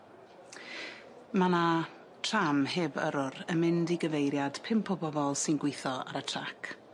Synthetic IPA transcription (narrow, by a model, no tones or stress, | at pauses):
mana | tʰramheːvə̰ɾʊɾəmɪndiɡəvejɾjad̥pʰɪmpʰɔbɔvɔlˠsɪnɡwɪjθɔa̰ɾətʰrakʰ